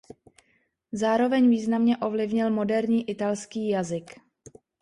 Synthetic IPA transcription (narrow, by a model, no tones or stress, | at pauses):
zaːɾo̞vɛɲviːznamɲɛʔo̞vlɪvɲɪlmo̞dɛɾɲiːʔɪt̪alskiːjazɪk